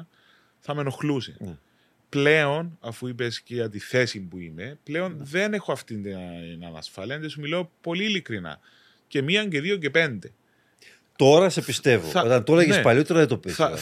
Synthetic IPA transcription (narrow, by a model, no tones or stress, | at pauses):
θɐme̞no̞xlusḛ | ple̞o̞nɐfuipesceɐt̪iθe̞simpuime̞ple̞o̞nðe̞ne̞xoɐft̪int̪inɐ̰nɐ̰sfɐliɐnt̪esumilo̞po̞liːlikɾinɐ̰ | ce̞miɐɲɟe̞ðioce̞pe̞nd̪e̞ | t̪o̞ɾɐse̞pist̪e̞voɐot̪ɐnt̪olɐʝespɐʎot̪eɾɐðet̪opiɐ